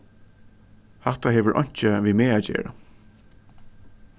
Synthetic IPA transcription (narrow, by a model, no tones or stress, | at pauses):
hat̪aɦeːʋəɹʔɔ̰ɲ̥t͡ʃəʋiːmeːæːd͡ʒḛːɹa̰